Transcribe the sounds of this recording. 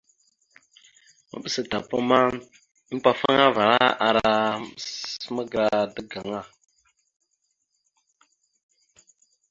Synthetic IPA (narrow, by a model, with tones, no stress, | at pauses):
mə̰˨ɓə˦sə˨ta˨pə˦ma˦ | pa˨fa˦ŋa˦va˨ɾa˦a˨ɾa˨˦ | mə˦ɡɾa˨də˦ɡa˨ŋa˦˨